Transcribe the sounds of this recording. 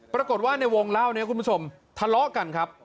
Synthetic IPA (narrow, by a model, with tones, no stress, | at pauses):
pɾa˧ko˨˩t̪̚waː˥˩na˧jwo˧ŋlaː˥˩wni˦˥ɐ˩ku˧nmpu˥t͡ɕʰo˧m | t̪ʰa˧lɔ˦˥ʔka˧nkʰɾa˦˥p̚